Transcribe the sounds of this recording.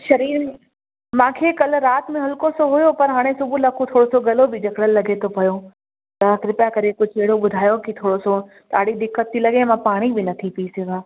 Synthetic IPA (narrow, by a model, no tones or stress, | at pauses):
ʃɐɾiːɾ | mãːkʰekɐlɾaːt̪mẽɦɐlkosoɦʊjopɐɾɦaːɽ̃esʊbʱulɐkʰot̪ʰoːɽosoɡɐlobʱɪd͡ʑɐkʰɽəlːɐɡʱet̪ʰopɐjo | t̪ɐkɾɪpjakɐɾekʊd͡ʒʱeɽoɓʊd̪ʱaːjokit̪ʰoːɽoso | t̪aːɽid̪ɪkːət̪ːilɐɠẽmãpaːɽ̃ibɪnɐt̪ʰipɐisɪɡãː